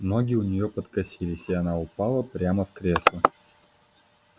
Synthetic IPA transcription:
mnoɡʲiʊnʲɪjopət̪kɐsʲilʲɪsʲiɐnaʊpalˠəpɾʲaməfkɾʲeslˠə

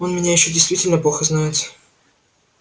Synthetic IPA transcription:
o̞nmʲɪnʲajɪɕːodʲɪjst̪vʲitʲɪlʲnəplˠoxəznaɪt̪

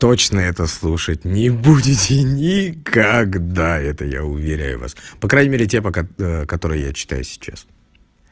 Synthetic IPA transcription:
t̪o̞t͡ɕnəɛt̪əslˠuʂətʲnʲɪbudʲɪtʲɪnʲɪkʰɐɡd̪aɛt̪əja̰ʊvʲɪɾʲæ̰jʊ̰va̰spɐkɾanʲɪmʲeɾʲɪtʲepəkɐt̪o̞ɾɨjja̰t͡ɕɪ̥t̪a̰jʊsʲɪ̥t͡ɕa̰s

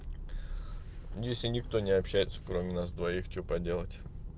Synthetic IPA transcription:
jesʲlʲɪnʲɪkt̪o̞nʲɪɐpɕːæjɪt̪sə̥kɾomʲɪnasd̪vɐixt͡ɕopɐdʲe̞lˠətʲ

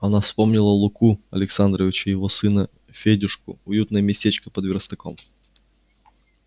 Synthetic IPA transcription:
ɐnafspomnʲɪlˠəlˠʊkuɐlʲɪksand̪ɾəvʲɪt͡ɕʊjɪvosɨnə | fʲedʲʊʂkʊ̰ʊjut̪nəjəmʲɪsʲtʲet͡ɕkəpəd̪vʲɪɾst̪ɐko̰m

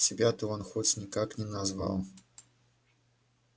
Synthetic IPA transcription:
sʲɪbʲat̪ɔɔnxɔt͡sʲnʲikaknʲɛnazva̰wˠ

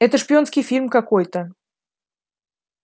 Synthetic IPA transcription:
ɛt̪əʂpʲɪonskʲɪjfʲilʲmkɐkojt̪ə

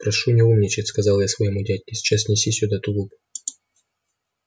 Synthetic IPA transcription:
pɾɐʂunʲɪumnʲɪt͡ɕɪtʲskɐzɑlˠjasvɐjɪmudʲædʲkʲɪsʲɪ̥t͡ɕasʲnʲɪsʲisʲʊd̪at̪ʊɡ̪upʊ

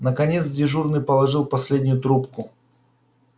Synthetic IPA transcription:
nəkɐnʲet̪sdʲɪʐurnɨjpəlˠɐʐɨlˠpɐsʲlʲedʲnʲʊjʊt̪ɾupkʊ

